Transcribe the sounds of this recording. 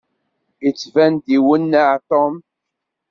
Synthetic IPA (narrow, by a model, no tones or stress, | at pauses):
jət͡sːvænd̪iwənːaʕt̪om